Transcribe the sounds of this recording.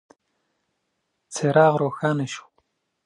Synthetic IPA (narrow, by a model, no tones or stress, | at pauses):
t͡seɾɑːɣɾoːxɑːneʃu̥